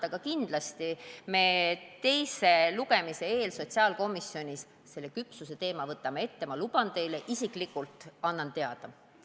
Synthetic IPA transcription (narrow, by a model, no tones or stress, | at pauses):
ɑɡ̥ɑkind̪̥lɑst̪ime̞ːt̪e̞jse̞luɡe̞mise̞e̞ːlso̞t̪siɑːlko̞misːjo̞nʲis | se̞lːe̞kypsuse̞t̪e̞ːmɑvɤt̪ːˑɑme̞t̪ːe̞mɑlub̥ɑnt̪e̞jleʔisikˑlikˑult̪ˑɑnːɑnt̪e̞ɑd̪̥ɑ